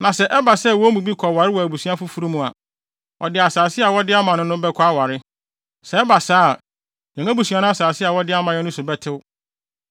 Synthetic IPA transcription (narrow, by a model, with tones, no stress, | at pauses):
nã˨sɛ˨ʔɛ˦ba˨sɛ˦˨wɔ˦mũ˨bi˦kʰɔ˨wa˨ɾɪ˦wɔ˨æ˨bu˨su˦ã˦fʊ˦fu˦ɾu˦mũ˨a̰˨ | ɔ˨dɪ˨a˨saː˨sɪ˦a˨wɔ˦dɪ˦a˦mã˨nʊ̃˦nʊ̃˦bɛ˦kʰɔ˦a˦wa˨ɾɪ˦ | sɛ˨ɛ˦ba˨saː˦˨ | jɛ̃˨ŋã˦bu˨su˨˦a˦nʊ̃˦a˦saː˨sɪ˦a˨wɔ˦dɪ˦a˦mã˨jɛ˦nʊ̃˦sʊ˨bɛ˦tʰɪ˦w